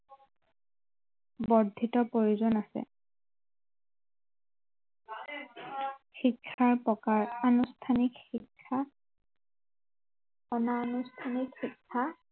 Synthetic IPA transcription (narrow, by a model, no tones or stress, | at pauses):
bɔdʱitɔpoɹuzɔnasɛ̰ | xikʰːaɹpɔkaɹanustʰanikxikʰːa | ɔnaːnustʰanikxikʰːa